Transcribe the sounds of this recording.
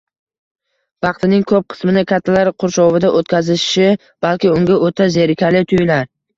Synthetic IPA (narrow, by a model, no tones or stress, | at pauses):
vɑqt̪ʰɪnɪŋkʰɵp̚qʰɨ̥smɪnɪkʲʰat̪ʰːalaɾqʰʊɾʃɒvɪd̪aʔot̪kʲʰazɪʃʃɪ | b̥alkʲɪʊŋɡʲaʔot̪ʰazeɾkʲʰalɪt̪ʰʊjɪlaɾ